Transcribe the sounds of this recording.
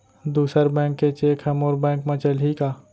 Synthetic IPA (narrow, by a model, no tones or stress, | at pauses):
d̪uːsəɾbɛ̃ːŋkːet͡ʃeːkʰɦɛmoːɾbɛ̃ːŋkmẽt͡ʃəlɦikaː